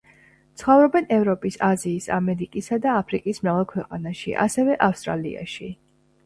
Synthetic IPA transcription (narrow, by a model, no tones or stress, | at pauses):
t̪sʰχɔvɾɔbɛnɛvɾɔpʼisaziːsamɛɾikʼisad̪aːpʰɾikʼismɾavalˠkʰwɛqʼanaʃḭʔa̰sɛvɛʔafst̪ʼɾalḭa̰ʃi